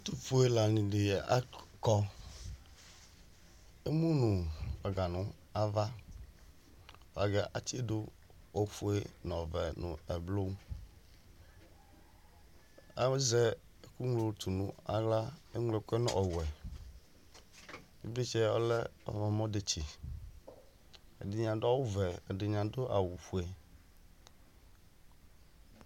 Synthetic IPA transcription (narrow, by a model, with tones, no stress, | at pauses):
t̪u˦ɸo˨˦e˦la˨nĩ˨ɖe˨ɛ˨a̰˦kɔ˦ | e˦mũ˦nũ˨a˨ɡa˨nũ˨˦ | a˦˨va˦ | wo˨a˨ɡɛ˦ʔa˨t̪i˦e˦do˦ | o˦ɸu˦e˦nɔ̃˨vɛ˨nṵ̃˨ɛ˨blo˦ | a˦zɛ˦ | ku˦ŋlo˦t̪ʰu˨nũ˨a˨la˦e˦ŋlo˨ke˦nɔ̰̃˦ʔɔ˨wɛ˨ | ḭ˦bli˦t͡ʃɛ˦o̰˦lɛ˦ɔ̰˨mɔ̃˨mɔ̃˦ɖe˨t͡ʃi˨ | ḛ˨de˨ɲã˨do˦a˦wu˦vɛ˨de˨ɲã˨do˦ʔa̰˨wu˨ɸu˨e˨